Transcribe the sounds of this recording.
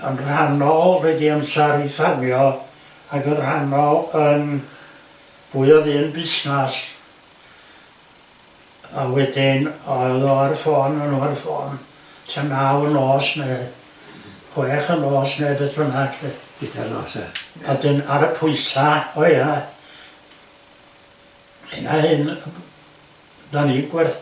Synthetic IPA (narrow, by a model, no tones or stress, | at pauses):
ə̰nr̥anɔwɛdiəmsaɾifarmjɔ | aɡənr̥anɔən | b̥uːɨɔðɨnbɪsnas | awɛdɪnɔðɔarfɔnənuːarfɔ̰ːn | tʰanawnɔːsneː | hwɛχənɔːsnɛːbɛdrənakʰɛ̥idɛnɔ̰ːsɛ̰̥ɔdɨnaɾəpʰʊɨsaɔja | henahɨn | daniɡwɛθ